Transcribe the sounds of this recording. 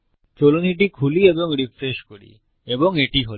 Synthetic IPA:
t͡ɕoloniʈ̬ikʰulieboŋɾifɾeʃkoɾḭ | eboŋeʈiɦol

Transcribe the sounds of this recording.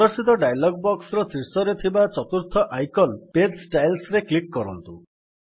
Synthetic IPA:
ɔɾsit̪̬ɔɖajlɔɡ̚bɔksɾɔsiɾsɔɾet̪ʰibat͡ʃɔt̪uɾt̪ʰɔʔajkɔlped̪sʈajlsɾeklikːɔɾɔ̰nt̪u

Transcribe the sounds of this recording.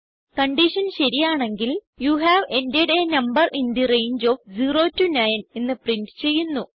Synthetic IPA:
kɐɳɖiʂɐnɕɐɾijaːɳe̞ŋɡil | juːɦæːʋendeɖeːnɐmbɐrʔind̪irejɲd͡ʑoːfd͡ʑiːro̞ːtːunɐjnenːɨpriɳʈt͡ɕe̞jːunːu

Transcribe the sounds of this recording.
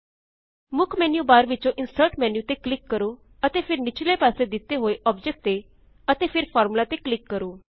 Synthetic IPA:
mʊkʰmɛːnjuːbaːɾʋɪt͡ʃõːʔɪnsəɾʈmɛːnjuːt̪eːklɪkːəɾoː | ət̪eːpʰɪɾnɪt͡ʃʰlepaːsed̪ɪt̪eɦoːeʔɔːp̚d͡ʒek̚ʈ̚t̪eː | ət̪eːpʰɪɾpʰɔːɾmlaːt̪eklɪkːəɾoː

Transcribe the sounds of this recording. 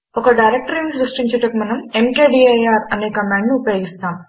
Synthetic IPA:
ɔkɐɖɐjɾek̚ʈɐɾinsɾusʈiɲt͡ʃɐʈɐkumɐnɐmemkeːɖiːɐjaːɾɐneːkɐmaːɳɖniupɐjoːɡist̪aːm

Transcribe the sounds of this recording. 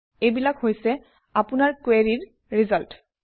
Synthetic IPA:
ejbilakhojsɛ | apʊnaɹkweɹiɹː | izalt

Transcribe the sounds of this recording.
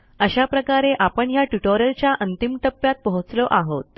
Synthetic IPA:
əɕapɾəkaɾeʔapəɳjaʈuʈoɾjəlt͡ɕjaʔənt̪imʈəpːjat̪̚pəɦut͡sloʔaɦot̪̚

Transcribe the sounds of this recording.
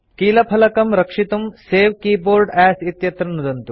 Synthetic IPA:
kiːlɐpʰɐlɐkɐmɾɐkʂit̪umseːʋkiːboːɾɖæːsit̪jɐt̪ɾɐnud̪ɐnt̪u

